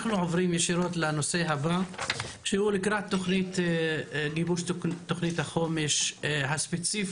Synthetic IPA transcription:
χnuʕovʁimjeʃiɾo̞t̪lenose̞ɦabaʃehulikɾat̪ːoχnit̪ | ɡibuʃt̪ːoχnit̪haχo̞meʃhaspet͡sif

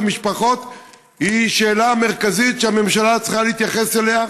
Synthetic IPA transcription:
miʃpaχo̞t̪ | hiʃe̞ːlame̞ʁkazit̪ʃeame̞mʃalat͡sχaleit̪jaχe̞selea

